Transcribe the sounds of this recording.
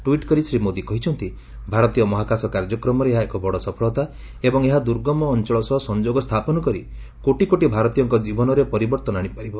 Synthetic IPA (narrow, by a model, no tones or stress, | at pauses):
ʈwiʈkɔɾisɾimod̪ikɔɦit͡ʃʰɔnt̪i | bʱaɾɔt̪ijɔmɔɦakasɔkaɾd͡ʒɔkɾɔmɔɾeeɦaekɔbɔɽɔsɔpʰɔɭɔt̪a | ebɔŋeɦad̪uɾɡɔmɔːnt͡ʃɔɭɔsɔɦɔsɔnd͡ʒoɡɔst̪ʰapɔnɔkɔɾi | koʈikoʈibʱaɾɔt̪ijɔŋkɔd͡ʒibɔnɔɾepɔɾibɔɾt̪ɔnaɽ̃ipaɾibɔ